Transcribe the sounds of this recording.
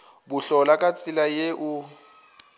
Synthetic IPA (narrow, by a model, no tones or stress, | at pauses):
buɬɔlakʼat͡sʼilajeʔu